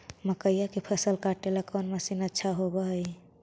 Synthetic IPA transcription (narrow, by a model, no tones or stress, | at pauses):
məkəjakipʰəsəlkaʈelakonməsinətːʃʰaɦobəɦj